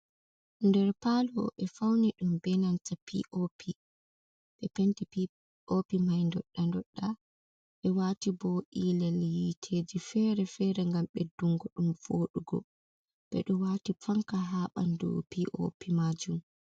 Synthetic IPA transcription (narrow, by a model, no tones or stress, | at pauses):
ndɛɾpalɔɓɛfawniɗumbɛnantapʰḭʔopʰi | ɓɛpɛntipi | opimajndɔɗːandɔɗːa | ɓɛwaːtibɔʔilɛljitʰeːd͡ʒifɛɾɛfɛːɾɛŋɡamɓɛduŋɡɔɗumfoɗuɡɔ̰ | ɓ̥ɛ̰ɗɔwatifaŋkaɦaɓa̰ndɔ̰piʔo̰pimaːd͡ʒum